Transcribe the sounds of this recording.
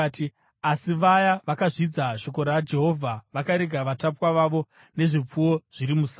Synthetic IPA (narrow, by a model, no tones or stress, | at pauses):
ti | asiʋajaʋakaʐid͡zaʃo̞ko̞ɾad͡ʒe̞ɦo̞vʱaʋakaɾeɡʱaʋatapwaʋaʋo̞ | ne̞ʐip͡fuwo̞ʐ̥iɾimus